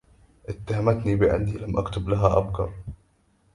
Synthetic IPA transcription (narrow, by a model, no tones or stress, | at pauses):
ʔɪt̪ːaɦamat̪nibɪʕɪ̰nd̪ilamʔakt̪ʊblaɦaʔa̰bkɑ̰ɾˤ